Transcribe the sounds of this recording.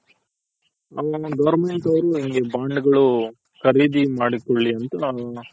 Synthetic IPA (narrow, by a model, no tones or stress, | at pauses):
ɐʋɐɡɐʋɾmeɳʈɐʋɐɾuiŋɡe̞baːɳɖɐɡɐɭu | kɐɾiːd̪imaːɽikoɭːiɐnt̪ɐ